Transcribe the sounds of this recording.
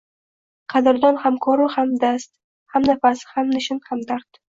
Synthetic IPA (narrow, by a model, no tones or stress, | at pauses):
qʰɑd̪ɪɾd̪ɒnhamkʰɒɾɪhamd̪ast̪ | hamnafasɪ̥hamnɪʃɪnhamd̪aɾt̪